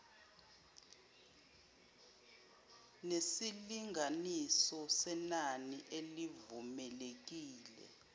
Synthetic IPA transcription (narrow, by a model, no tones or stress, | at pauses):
nesiliŋʱanisɔsɛnaniʔelivumɛlek̬iːlɛ̰